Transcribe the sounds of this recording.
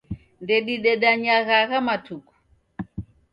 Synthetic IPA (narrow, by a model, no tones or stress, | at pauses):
ndɛɗiɗɛɗaɲaɣaɣamatuku̥